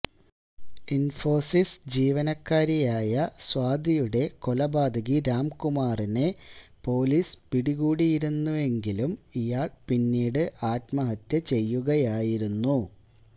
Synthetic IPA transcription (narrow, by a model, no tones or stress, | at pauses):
info̞ːsisd͡ʑiːʋɐnɐkːaːɾijaːjɐswaːd̪ʱijuɽe̞ko̞lɐbaːd̪ʱɐɣiɾaːmkumaːrinepo̞ːlispiɽiɣuːɽijiɾunːuʋe̞ŋɡilumijaːɭpinːiːɽɨʔaːt̪mɐɦɐt̪ːɐt͡ɕe̞jːuɣɐjaːjiɾunːu